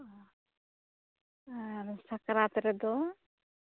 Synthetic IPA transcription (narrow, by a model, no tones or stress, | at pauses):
nsakɾat̪ɾɛd̪ɔ